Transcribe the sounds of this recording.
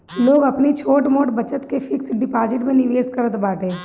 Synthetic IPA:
loːɡɐpnit͡ʃʰoːʈmoːʈbɐt͡ʃət̪kefʰɪksɖɪpaːd͡ʒɪʈmẽnɪʋeːskəɾət̪baːʈẽː

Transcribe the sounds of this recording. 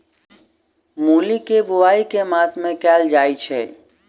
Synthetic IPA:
mulikebuaikemasmẽkɛld͡ʒajt͡ʃʰɛ

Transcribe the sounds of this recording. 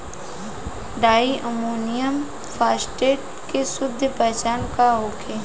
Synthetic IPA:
ɖaːiʔəmuːnijəm | fʰaːsʈeːʈ̚ | kesʊd̪ʱəpɛɦt͡ʃaːnkaɦoːkʰeː

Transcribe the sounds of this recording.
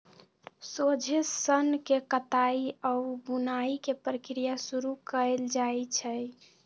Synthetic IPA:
sod͡ʒʱesənkekət̪aiəubunaikepɾəkɾijasuɾukəeld͡ʒajt͡ʃʰɛj

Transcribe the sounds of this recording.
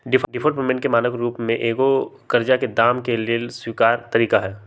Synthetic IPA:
ɖɪfʰɖɪfʰəːʈmemẽɳʈkemaːnəkɾuːpmẽʔeːɡo | kɐɾd͡ʒaked̪aːmkelieswiːkaːɾt̪ɐɾiːkaɦɛː

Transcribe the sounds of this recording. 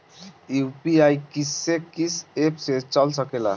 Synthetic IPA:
upiajkisekisepset͡ɕɔlsɔkela̰

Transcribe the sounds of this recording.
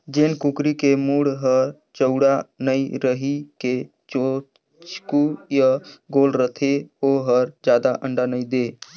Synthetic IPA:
d͡ʒeːnkukɾikemuːɽɦəɾ | t͡ʃəʊɽanəiɾəɦike | t͡ʃo | t͡ʃkujaɡoːlɾət̪ʰeoɦəɾd͡ʒjaːd̪aʔəɳɖanəid̪e

